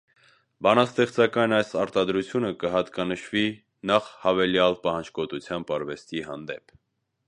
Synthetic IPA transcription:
bɑnɑst̪ɛχt͡sɑkɑjnɑjsɑɾt̪ɑd̪ɾut͡sʰjunəkəɦɑt̪kɑnəʃvi | nɑχhɑvɛljɑlpɑhɑnd͡ʒkɔt̪ut͡sʰjɑmbɑɾvɛst̪iɦɑ̰nd̪ɛ̰pʰ

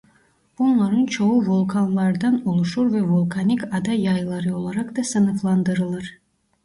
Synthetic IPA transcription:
unlˠaɾɯnt͡ʃʰo̞uvulˠkʰanlˠɑɾd̪anulˠuʃuɾvɛvulˠkʰanikad̪ajɑjlˠaɾɯo̞lˠaɾakd̪ɑsɯnɯflˠɑnd̪ɯɾɯlˠɯɾ̥

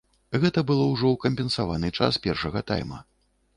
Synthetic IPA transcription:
ɣɛt̪ɐbɨlˠɔwʐɔwkɐmʲpʲɛnsavanɨt͡ʂa̰spʲɛrʂɐɣɐt̪a̰jmɐ̰

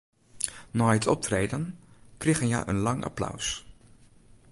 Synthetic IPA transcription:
naːjətʰɔp̚trejdənkrɪχənja̰ʔə̰nlɑŋʔa̰plœ̰ws

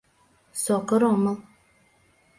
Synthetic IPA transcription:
sɔkəɾɔmə

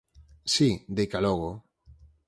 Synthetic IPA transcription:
sid̪ejkalɔɣo

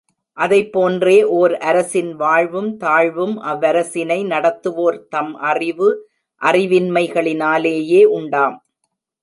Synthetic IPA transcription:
ʔɐðɐɪpːoːndreːʔoːɾɐɾɐsɪnʋaːɻʋɯmt̪aːɻʋɯmʔɐʋːɐɾɐsɪnɐɪnɐɽɐt̪ːɯʋoːɾt̪ɐmʔɐrɪʋɯ | ʔɐrɪʋɪnmɐɪɣɐɭɪnaːleːjeːʔʊɳɖaːm

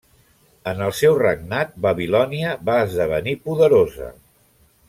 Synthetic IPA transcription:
ənəlˠsɛwrəɡ̚nat̪̚bəβilɔniəβaːzðəβ̞ə̰nipuðəɾozə̰

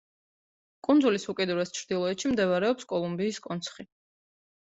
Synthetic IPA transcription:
kʼunzulisukʼɛd̪uɾɛst͡ʃʰɾd̪ilˠɔɛt̪ʃimd̪ɛvaɾɛɔpskʼɔlˠumbiːskʼɔnt̪sʰχi

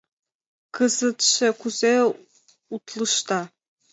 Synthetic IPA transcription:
kʰəzɨt̪ʃɘkuze | ut̪lɨʃt̪ɑ

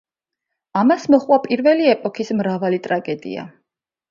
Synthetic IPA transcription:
amasmɔχwapʼiɾvɛliɛpʼɔkʰismɾavalit̪ʼɾaɡɛd̪ḭa̰

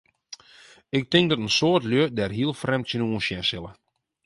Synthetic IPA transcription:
ɪk̚tɪŋk̚dɔtənsoːrtljødɛrɦiəlˠfrɛmtjənuənsjɛnsɪlə

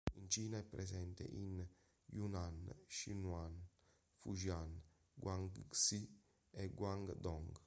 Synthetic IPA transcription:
int͡ʃiːnaɛpːɾɛsɛnt̪ḛʔin | junanʃinwan | fuʒjan | ɡwaŋɡsi | ɛɡwaŋɡd̪ɔŋɡ

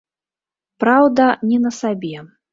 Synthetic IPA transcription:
pɾawd̪ɐnʲɛnɐsabʲɛ

